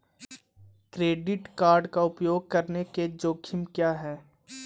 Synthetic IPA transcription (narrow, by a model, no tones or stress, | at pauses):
kɾeːɖɪʈkaːɾɖkaʊpjoːɡ̚kɐɾneked͡ʒoːkʰɪmkjaːɦɛː